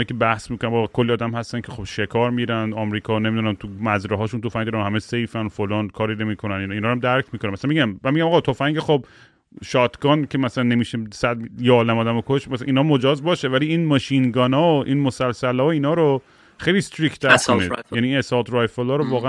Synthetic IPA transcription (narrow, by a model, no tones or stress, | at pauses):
jkʰebæhsmikonæmɒkʰolːiɒːd̪æmhæst̪æncʰexobʃe̞kʰɒːɾmiɾænd̪ɒmɾiːkʰɒːnemid̪unæmt̪ʰumæzɾeɦɒːʃunt̪ʰofæŋɡd̪ɔɾæhæmesejfænofolɒːnkʰɒːɾiːnemiːkʰonæniniːnhɒːɾæmd̪æɾkʰmiːkʰonemæsælæmeɟæmmænmiɡɟæmɒːɣɑːt̪ʰofæŋɡexob̚ | ʃɒːt̪ʰɡɒːnkʰe̞mæsælænːemiːʃesæd̪jeɒːlæmɒːd̪æmokʰoʃtmæsʔiːnɒːmod͡ʒɒːzbɒːʃevæliːiːnmɒːʃinɡɒːnɒːoʔiːnmosælsælɒːoiːnɒːɾo | xejlist̪ɾikt̪ʰæonḭdjæninesɒt̪ʰɾɒjfolɒːɾovɒːɣe